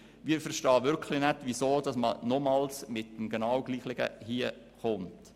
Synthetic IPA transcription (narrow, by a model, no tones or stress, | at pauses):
miːfəɾʃtɑːʋʏɾkʰlɪnɛtʋisoːd̥ɑsmə̰nɔmɑːlsmɪt̚ːəmɡɛnɑwɡliːχlɪɡə̰hiə | χʊnt